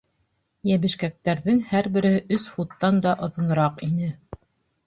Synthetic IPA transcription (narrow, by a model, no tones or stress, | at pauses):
jæβɘ̆ʃkæk̚t̪æɾðɘŋhæɾbɘ̆ɾɘ̆hɘʔɵsfut̪ːɑnd̪ɑʔŏðɤ̆nɤ̆ɾɑqinɘ